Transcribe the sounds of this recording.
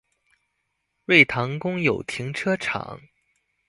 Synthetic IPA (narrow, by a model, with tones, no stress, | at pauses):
ɻe˥˩ɪt̪ʰɑ˧˥ŋkʊ˥ŋjo˨˩ʊt̪ʰi˧˥ŋʈ͡ʂʰɤ˥ʈ͡ʂʰɑ̰˨˩˦ŋ